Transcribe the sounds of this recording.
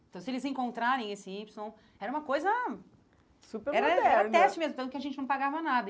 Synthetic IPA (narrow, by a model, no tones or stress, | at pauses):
t̪ɐ̃w̃sɪelɪzẽŋkõnt̪ɾaɾẽj̃esɪipsõw̃ | ɛɾɐũmɐkojzɐ | supeɾɛɾɐɛɛɾɐɾɛst͡ʃɪmezmʊt̪ɐ̃t̪ʊkɪɐʒẽnt͡ʃɪnɐ̃paɡavɐnad̪ɐ